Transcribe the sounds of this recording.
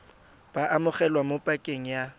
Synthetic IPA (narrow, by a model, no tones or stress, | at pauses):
b̥aʔamʊχɛlwamopʼakʼeŋ̩ja